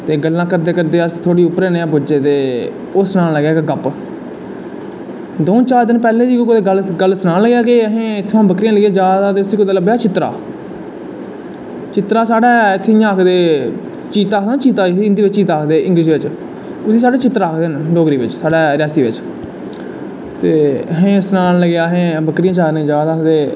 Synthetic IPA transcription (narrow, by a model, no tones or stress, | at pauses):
t̪eːɡəlːãːkəɾd̪eːkəɾd̪eːəst̪ʰoːɽiːʊpːɾeːneãːbʊd͡ʒeːt̪eː | oːsənaːnləɡjaːkeɡəp | d̪oːt͡ʃaːɾd̪ɪnpɛːlẽːd̪iːkːkod̪eɡəlɡəlsənãːnləɡjaːkeːəɦẽːt̪ʰːãːbəkɾijãːləɡẽːd͡ʒaːd̪aːd̪eːʊsiːkʊd̪aːləbeːaːt͡ʃɪt̪ːɾa̰ː | t͡ʃɪt̪ɾaːsaːɽaːɪt̪ʰːejãaːkʰd̪eː | t͡ʃiːt̪aːk̪aːt͡ʃiːt̪aːiɪnd̪iːʋɪt͡ʃt͡ʃiːt̪aːkʰd̪eːʔɪ̃ŋɡliʃiːʋɪt͡ʃ | ʊsiːsaːɽeːt͡ʃɪt̪ːɾaːkʰd̪eːnɖoːɡɾiːʋɪt͡ʃsaːɽaːɾɪjaːsiːʋɪ̰t͡ʃ | t̪eːəɦẽːsnaːnləɡjaːəɦẽːbəkɾijãːt͡ʃaːɾnẽːd͡ʒaːd̪aːd̪eː